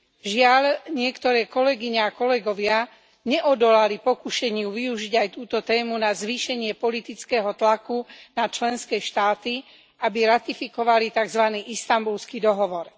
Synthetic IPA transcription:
ʒɪaʎɲɪɛkt̪ɔɾɛːkɔlɛɡiɲɛakɔlɛɡɔʋɪa | ɲɛʔɔd̪ɔlalipɔkuʃɛɲɪuʋiuʒiɟajt̪uːt̪ɔt̪ɛːmunazʋiːʃɛɲɪɛpɔlit̪it͡skɛːɦɔt̪lakunat͡ʃlɛnskɛːʃt̪aːt̪i | abiɾat̪ifikɔʋalit̪aɡzʋaniːʔist̪ambulskid̪ɔɦɔʋɔɾ

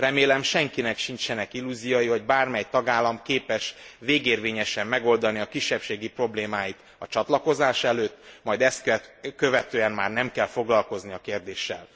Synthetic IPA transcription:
rɛmeːlɛmʃɛŋkinɛkʃint͡ʃɛnɛkilːuːzijojiho̞ɟ̚baːrmɛjt̪ɒɡaːlːɒmkeːpɛʃveːɡeːrʋeːɲɛʃɛmːɛɡo̞ld̪ɒniɒkiʃːɛpʃeːɡipro̞bleːmaːjit̪ | ɒt͡ʃɒt̪lɒko̞zaːʃɛløːt̪ːmɒjd̪ɛst̪kɛkøvɛt̪øːɛnma̰ːrnɛmkɛlfo̞ɡlɒlko̞zniɒkeːrd̪eːʃːɛ̰l

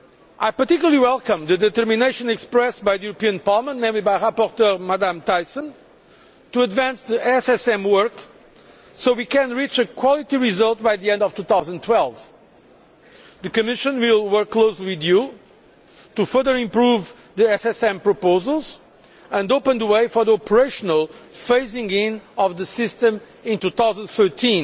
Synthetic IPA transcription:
ajpət̪ikjul̩ˠəlˠiwɛlˠkə̃mðɨd̪ɨt̪ə˞mineɪʃɨ̃nɛkspɹɛs̚bajðɨjuɾəpiɨ̃npaɹlˠəmə̃ntnẽɪ̃mlibajɹapɔɾt̪əɾmad̪ãmt̪ajsə̃n | t̪uɐd̪væ̃nsðiʔɛsɛsɛ̃mwɜɹk | soʊwikɨ̃nɹit͡ʃɨkʰwɔlˠit̪iɹizʌlˠt̪̚bajðiɛ̃nd̪ɔv̥t̪uθaʊzə̃nt̪ʰwɛlˠv | ðɨkɨmɪʃɨ̃nwilˠwə˞kːloʊsliwiðju | t̪ufɜ˞ðə˞ɪ̃mpɹuv | ðiɛsɛsɛ̃mpɹɔpoʊzəlˠz | ə̃ndopə̃nd̪əweɪfɔ˞ðiɔpə˞eɪʃɔnəlˠfeɪsɪ̃ŋɡɪ̃nɔvðɨsɪst̪ə̃m | ĩnt̪uθawzə̃nd̪θɜ˞tʰĩn

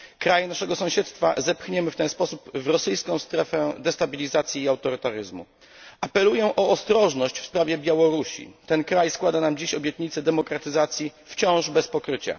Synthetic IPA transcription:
kɾajɛnaʂɛɡɔsɔ̃w̃ɕɛt̪st̪fa̰zɛpxɲɛmɘft̪ɛnspɔsupvɾɔsɘjskɔ̃w̃st̪ɾɛfɛd̪ɛst̪abʲilʲizat̪sʲjiːawt̪ɔɾɘt̪aɾɘzmṵ | apɛlujɛʔɔːst̪ɾɔʐnɔɕt͡ɕfspɾavʲjɛbʲjawɔɾuɕḭt̪ɛnkɾajskwad̪anamd͡ʑiɕɔbʲjɛt̪ɲit̪sɛd̪ɛmɔkɾat̪ɘzat̪sʲjift͡ɕɔ̃w̃ʐbɛspɔkɾɘt͡ɕa̰

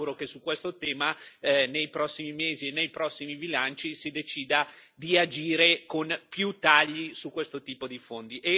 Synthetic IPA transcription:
uɾokesukːwest̪ot̪ɛːmanejpɾɔsːimimeːzienːejpɾɔsːimibilant͡ʃisid̪et͡ʃiːd̪ad̪iad͡ʒiːɾekonpjut̪aʎːisukːwest̪ot̪iːpod̪ifond̪iʔe

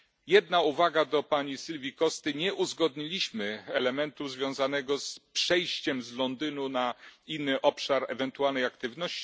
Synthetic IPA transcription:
jɛd̪nauvaɡad̪ɔpaɲisilvʲikɔst̪ɘɲɛʔuzɡɔd̪ɲilʲiɕmɘɛlɛmɛnt̪uzvʲjɔ̃w̃zanɛɡɔspʂɛjɕt͡ɕɛmzlɔnd̪ɘnunainːɘʔɔpʂaɾɛ̰vɛnt̪ualnɛjakt̪ɘvnɔɕt͡ɕ

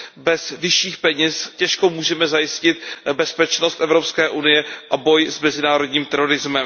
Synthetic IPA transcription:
bɛzvɪʃiːxpɛɲɛscɛʃkomuːʒɛmɛzajɪscɪt̪̚bɛspɛt͡ʃnost̪ʔɛvɾopskɛːʔunɪjɛʔabo̞jzmɛzɪnaːɾo̞dɲiːmt̪ɛɾo̞ɾɪzmɛm

